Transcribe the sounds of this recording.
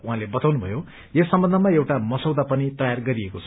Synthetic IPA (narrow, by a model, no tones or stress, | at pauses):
uɦãlebʌt̪awnubʱʌjo | jesːʌmbʌndʱʌmaewʈamʌsʌwd̪apʌnit̪ʌjarɡʌɾiekot͡sʰʌ